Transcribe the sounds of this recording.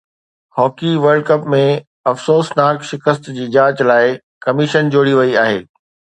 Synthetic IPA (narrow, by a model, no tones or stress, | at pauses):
hɔːkiʋɐɾɖ̚kɐpmẽ | ɐfsoːsnaːkʃɪkəs̬t̪d͡ʑiːd͡ʑaːt͡ɕlaːɪ | kɐmɪʃənd͡ʑoːɽiʋɐiaːɦeː